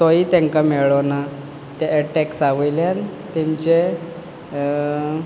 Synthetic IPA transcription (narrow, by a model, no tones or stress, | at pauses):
t̪ɔjit̪ɛ̃ŋkamɛɭɔna | t̪aːʈɛksaʋəjljan | t̪emt͡ɕe